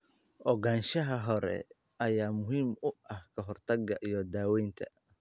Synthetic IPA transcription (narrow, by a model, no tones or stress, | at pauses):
ʔɔɡaːnʃɐɦɐɦɔɾɛ̰ | ɐjaːmʊɦiːmʊɐhkʰɐɦɔrt̪ʰɐɡɐʔijɔd̪aːwɛjnt̪ʰɐ̥̰